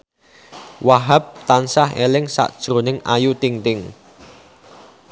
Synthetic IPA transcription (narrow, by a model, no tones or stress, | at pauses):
waɦap̚t̪ansahelɪŋsa̰ʔd̥ʒ̥ɾo̤nɪŋajut̪iŋt̪ɪŋ